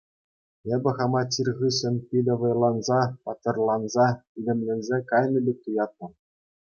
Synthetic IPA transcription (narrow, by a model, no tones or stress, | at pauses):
ebʲɘ̆χɑmɑt͡ɕʲːirʁɯɕɘ̆nʲpʲid̪ʲɤ̆ʋɤ̆jlˠɑnzɑpɑt̪ːɤ̆rlˠɑnzɑid̪ʲɘ̆mʲlʲɘ̆nʲzʲekɑjnɤ̆bʲek̚ʲt̪ujɑt̪̚nɤ̆